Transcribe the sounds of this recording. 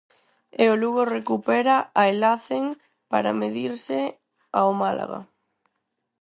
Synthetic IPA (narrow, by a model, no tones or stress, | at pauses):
eoluɣorekupɛɾaaelaθeŋ | pa̰ɾa̰meðiɾsɪ | aomalʔa̰ɣa̰